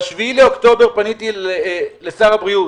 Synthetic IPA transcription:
ʃviileokt̪o̞be̞ʁpanit̪i | lesaʁabʁiu

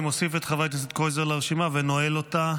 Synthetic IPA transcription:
mosifet̪χavajt̪̬aset̪kozeʁlaʁeʃimavenoelota

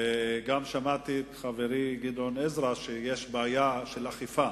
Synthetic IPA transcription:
eɡamʃamat̪iet̪χaveʁiɡid̪onezʁaʃejeʃbeːjaʃelaχifa

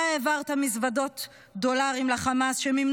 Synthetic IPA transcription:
evaʁt̪amisvado̞t̪ | d̪o̞laʁimlaχamasʃemim

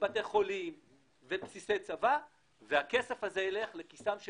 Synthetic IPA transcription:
bat̪eχo̞lim | vepsise̞jt͡sava | veake̞sefhazeele̞χlekisamʃ

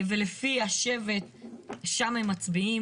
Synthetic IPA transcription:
velefiaʃevet̪̚ʃamhemːat͡sbii

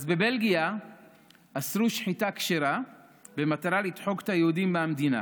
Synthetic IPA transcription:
zbe̞be̞lɡija | asɾuʃħitakʃeɾa | be̞mat̪aɾalid̪ħo̞ɡt̪ajehudimbeamd̪ina̰

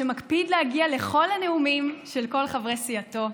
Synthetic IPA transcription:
emakpid̪lehaɡiale̞χo̞lhane̞umimʃe̞lko̞lχavʁesiato̞

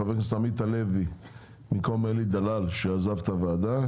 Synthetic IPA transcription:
avest̪amit̪alevi | mikomelid̪alalʃeazavt̪avead̪a

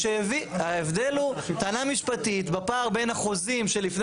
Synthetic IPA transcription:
ʃeeviaevd̪elut̪aːnamiʃpatit̪bapaːʁbe̞nhaχozimʃe̞lifn

